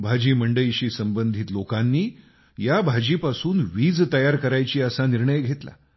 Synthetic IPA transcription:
bʱad͡ʑiːməɳɖəiɕiːsəmbənd̪ʱiːt̪lokanːiː | jabʱad͡ʑiːpasuːnʋiːd͡zt̪əjaɾkəɾajt͡ɕiːəsaniɾɳəjɡʱet̪la̰

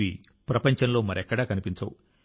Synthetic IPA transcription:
i | pɾɐpɐɲt͡ʃɐnlo̞ːmɐɾɛkːɐɽaːkɐnipiɲt͡ʃɐ̰wu

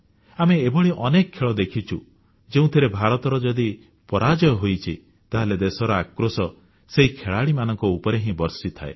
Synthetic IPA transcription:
ameːbɔɭiʔɔnekɔːeɭɔd̪ekʰit͡ʃʰu | d͡ʒeũt̪ʰeɾebʱaɾɔt̪ɔɾɔd͡ʒɔd̪i | pɔɾad͡ʒɔjɔɦojt͡ʃʰi | t̪aɦaled̪esɔɾɔakɾosɔ | seɦikʰeɭaɽimanɔŋkɔupɔɾeɦĩbɔɾsit̪ʰa̰ḛ

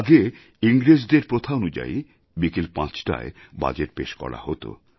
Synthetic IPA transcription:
aɡe | iŋɾed͡ʑd̪eɾpɾot̪ʰaonud͡ʑa̰i | bikelpãt͡ɕʈa̰e | ba̰d͡ʑeʈ̚peʃkɔ̰ɽa̰hot̪o̰

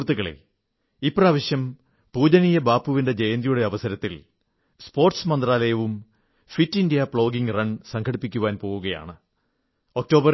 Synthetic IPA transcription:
rt̪ːuɣɐɭḛ | ipːraːʋɐɕjɐm | puːd͡ʑɐnijɐbaːpːuʋinde̞d͡ʑɐjɐnd̪ijuɽe̞ɐʋɐsɐɾɐt̪ːil | spo̞ːrʈsmɐnd̪raːlɐjɐʋum | fitːindijɐpɭo̞ːɡiŋrɐnsɐŋkʰɐɽipːikʲːuʋaːnpo̞ːɣuɣɐja̰ːɳɨ | o̞k̚to̞ːbɐ

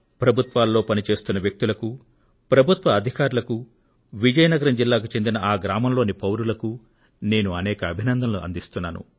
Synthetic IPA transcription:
pɾɐbʱut̪ʋaːlːo̞ːpɐnit͡ʃe̞ːst̪unːɐʋjɐk̚t̪ulɐku | pɾɐbʱut̪ʋɐːd̪ʱikaːɾulɐku | ʋid͡ʒɐjɐnɐɡɐɾɐmd͡ʒilːaːk̬ut͡ʃe̞nd̪inɐʔaːɡɾaːmɐmlo̞ːnipɐwɾulɐku | ne̞ːnuɐnɛːkɐɐbʱinɐnd̪ʱɐmluɐ̰nd̪ist̪unːaːnṵ

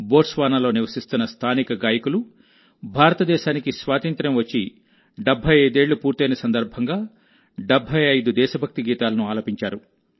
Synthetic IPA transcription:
bo̞ːʈsʋaːnɐlo̞ːniʋɐsist̪unːɐst̪ʰaːnikɐɡaːjɐkulu | bʱaːɾɐt̪ɐd̪ɛːʃaːnikisʋaːt̪ɐnt̪ɾɐmʋɐt͡ʃːi | ɖebʱːɐjɐjd̪e̞ːɭːupuːɾt̪ɐjnɐsɐnd̪ɐɾbʱɐŋɡaː | ɖebʱːɐjɐjd̪ud̪ɛːʃɐbʱɐk̚t̪iɡiːt̪aːlɐnuaːloːpiɲt͡ʃaːɾu

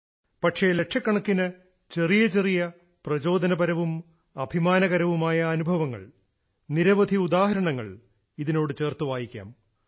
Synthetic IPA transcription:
pɐʈʂe̞le̞ʈʂʰɐkːɐɳɐkːinɨ | t͡ɕe̞rijɐt͡ɕe̞rijɐ | prɐt͡ɕo̞ːd̪ɐnɐbɐɾɐʋum | ɐbʱimaːnɐɣɐɾɐʋumaːjɐːnubʱɐʋɐŋːɐ̰ɭ | niɾɐʋɐd̪ʱiud̪aːɦɐɾɐɳɐŋːɐ̰ɭ | iðino̞ːɽɨt͡ɕe̞ːrt̪uʋaːjikʲːa̰ːm

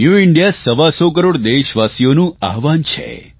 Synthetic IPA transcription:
njuɪɳɖjasəʋasok̬əɾoɽd̪eʃʋasijonũaɦʋant͡ʃʰḛ

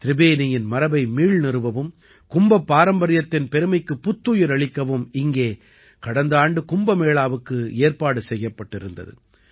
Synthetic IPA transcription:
t̪ɪɾɪbeːnɪjɪnmɐɾɐbɐɪmiːɻnɪɾɯʋɐʋɯm | kʊmbɐpːaːɾɐmbɐɾɪjɐt̪ːɪnpɛɾɯmɐɪkːɯpːʊt̪ːuːjɪɾɐɭɪkːɐʋɯmɪŋɡeː | kɐɽɐnd̪aːɳɖɯkʊmbɐmeːɭaːʋɯkːɯeːɾpaːɽɯsɛjːɐpːɐʈːɪɾɯnd̪ɐ̰ðɯ̰

